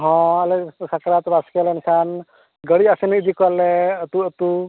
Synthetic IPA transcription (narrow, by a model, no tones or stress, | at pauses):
ɦɔ̃alɛsakɾat̪baskɛlɛnkʰan | ɡəɽiasinːd͡ʒikɔlɛt̪uət̪u